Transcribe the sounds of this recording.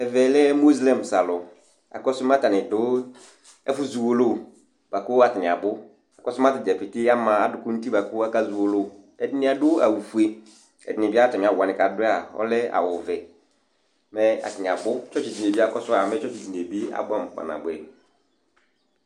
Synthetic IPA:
ɛ˨vɛ˨lɛ˦mo˦zlɛ˦m˨sa˨lʊ˨ | a̰˨kɔ˦sʊ˦m˦a˦ta˨nɪ˨dʊ˦ | ɛ˦fʊ˦zu˨wo˨lo˦˨ | b̥a˨kʊ˦a˦˨tɪ˨nɪ̃˨a˨bʊ˦ | a˨kɔ˦sʊ˦m˦a˦tɪ˨d͡ʒɛ˨fɪ˨tɪ˦a˦mã˨a˨dʊ˨kʊ˦n̩˦ti˦ba˨kʊ˦a˦ka˦zu˨wo˨lʊ˦˨ | ɛ˨dɪ˨nɪ̃˦a˨dʊ˦a̰˨wu˨fu˨e˨ | ɛ̰˨dɪ˨nɪ̃˨bi˦a˦tɛ˨mɪ̃˨a˨wa˨nɪ̃˨ka˨dʊ˦a˨ɔ̰˦lɛ˦a̰˨wʊ˨vɛ˨ | mɛ˦a̰˨tɪ˨nɪ̃˨a˨bʊ˦t͡ʃɔ˦t͡ʃi˨zi˨ne˨bi˦a˦˨kɔ˦sʊ˦a˨mɛ˦t͡ʃɔ˦t͡ʃi˨zi˨n˨e˨bi˦a̰˨ɡ͡ba˦˨m̩˨k͡pa̰˨nã̰˨bʊ˨˦ɛ̰˨

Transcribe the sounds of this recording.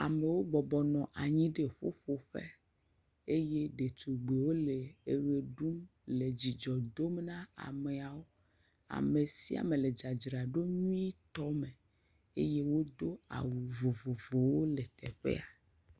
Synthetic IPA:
a˨me˨wo˦bɔ˨bɔ˨nɔ̃˨ʔa˨ɲĩ˦ɖe˦˨ɸo̰˦ɸo˦ɸḛ˦ | e˦je˦ɖe˨t̪ʰu˨ɡ͡be˨wo˦le˨e˨ɣe˨ɖu˦mle˨d͡ʑi˨d͡ʒɔ˨d̪o˦m˦nã˦a̰˨me˨a˨wo˦ | a̰˨me˨si˦a̰˨mẽ˨le˨d͡ʒa˨d͡ʒɾa˨ɖo˦ɲũũ˦i˦t̪ɔ˦me˨ | e˦je˦wo˦d̪o˦a̰˨wu˨vo˨vo˨vo˨wo˦le˨t̪ɛ̰˨ɸḛ˦a˨

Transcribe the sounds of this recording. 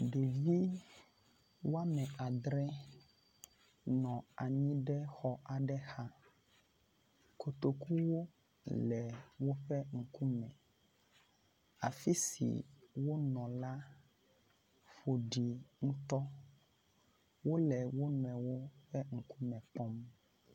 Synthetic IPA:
ɖe˨vi˦ | wo˦a˦mɛ̃˨a˨d̪ɾɛ˦ | nɔ̃˨a˨ɲĩ˦ɖɛ˦xɔ˦ʔa˨ɖɛ˦xa˦ | ko˨t̪o˨ku˦wo˦ | lɛ˨wo˦ɸɛ˦ŋ̩˦˨ku˦mɛ̃˨ | a̰˨fi˦sḭ˨wo˦nɔ̃˨la˦ | ɸo˨ɖi˨ŋũ˦t̪ɔ˦ | wo˦lɛ˨wo˦nɔ˨ɛ̃˨wo˦ɸɛ˦ŋ̩˨ku˦mɛ̃˨k͡pɔ˦m

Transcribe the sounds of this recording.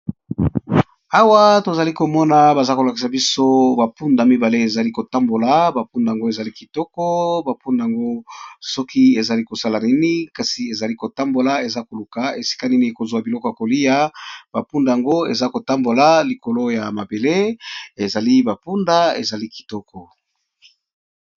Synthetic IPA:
a˦wa˦to˨za˨li˦ko˨mɔ˦na˨ba˨za˦ko˨la˨ki˨sa˨bi˦so˦ba˨pu˦nda˨mi˦ba˨le˦e˨za˨li˦ko˨ta˦mbo˨la˨ba˨pu˦nda˨a˨ŋɡo˦e˨za˨li˦ki̥˨tɔ˦kɔ˦ba˨pu˦nda˨ja˨ŋɡo˦sɔ˦ki˦e˨za˨li˦ko˨sa˦la˨ni˦ni˦ka˨si˨e˨za˨li˦ko˨ta˦mbo˨la˨e˨za˦ko˨lu˨ka˨e˨si̥˦ka˦ni˦ni˦ko˨zwa˨bi˨lɔ˦kɔ˨ja˨ko˨li˦ja˦b̥a˨pu˦nda˨ja˨ŋɡo˦e˨za˦ko˨ta˦mbo˨la˨li˨ko˨lo˦ja˨ma˨be˨le˦e˨za˨li˦ba˨pu˦nda˦ḛ˨za˨li˦ki̥˨tɔ˦kɔ˨

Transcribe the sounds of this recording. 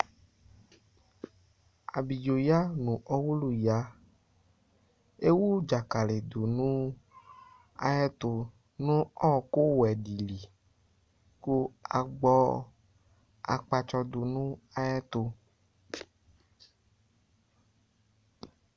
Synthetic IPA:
a̰˨bi˨d͡ʒo˨ja˦nũ˨ʔɔ˦wu˦lu˦ja˨˦ | e˦wu˦d͡ʒa˨ka˨le˨do˨nũ˦ | a̰˨jɛ˦t̪o˨ | nũ˦ɔ̃˦˨ko˦wɛ˨ɖi˨li˨ | ku˦a̰˨ɡ͡bɔ˦ | a̰˨k͡pa˧t͡ʃɔ˧do˨nũ˦a˨jɛ˦t̪o˧

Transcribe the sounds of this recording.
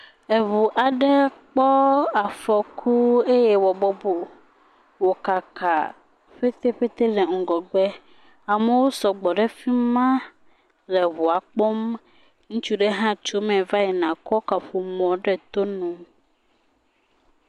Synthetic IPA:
e˨vu˨ʔa˨ɖɛ˦k͡pɔ˦a˨fɔ˨kʰu˦e˦jɛ˦wɔ˨bɔ˦bo˨ | wo˨ka˨ka̰˨ | ɸe˦t̪e˦ɸe˦t̪e˦lɛ˨ŋ̩˨ɡɔ˨ɡ͡bɛ˦ | a˨me˨wo˦sɔ˨ɡ͡bɔ˨ɖɛ˦fi˦mã˦ | lɛ˨βu˨a˨k͡pɔ˦m | ŋũ˦t͡ʃu˦ɖe˦ɦã˦t͡ʃo˦mɛ̃˨va˦jɛ˨nã˨kɔ˦ka˨ɸu˨mɔ̃˨ɖɛ˦t̪o˦nũ˨

